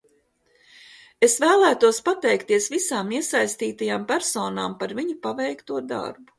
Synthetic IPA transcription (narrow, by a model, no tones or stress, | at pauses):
esvæːlˠæːt̪uɔspat̪ɛjkt̪iɛəsvisaːmiɛsajst̪iːt̪ajaːmpæɾsoːnaːmpaɾviɲupavɛjkt̪uɔd̪a̰ɾbu